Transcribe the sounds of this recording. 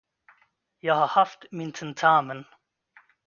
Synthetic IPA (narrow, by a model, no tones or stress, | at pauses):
jaːhahaftmintʰɛntʰaːmən